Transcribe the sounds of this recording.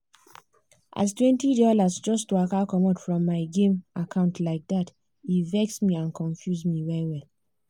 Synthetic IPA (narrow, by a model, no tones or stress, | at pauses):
ʔa̰stwɛ̃ntidɔlasd͡ʒɔstuakakɔmatfɹɔ̃mːaɪɡẽmʔakʰãʊ̃ntʰlaɪk̚dat | ivɛksmiãnkʰɔ̃nfjusmivɛɹiwɛl